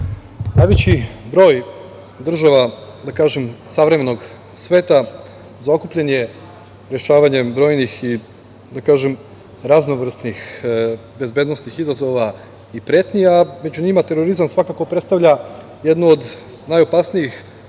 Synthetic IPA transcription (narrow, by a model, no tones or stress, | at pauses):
najʋet͡ɕibɾo̞ːj | d̪r̩ʒaʋad̪akaːʒemsaʋɾeme̞no̞ɡ | sʋe̞ːt̪a | zao̞kuplʎenje̞ | ɾe̞ʃaːʋaɲe̞bɾo̞ːjnixi | d̪akaːʒem | ɾazno̞ʋr̩snix | be̞zbe̞ːd̪no̞snixizazo̞ʋa | ipɾe̞ːt̪nijame̞d͡ʑuɲimat̪e̞ɾo̞ɾizamsʋakaːko̞pɾet̪t̪aʋʎa | je̞d̪nuod̪ | najo̞pasnijix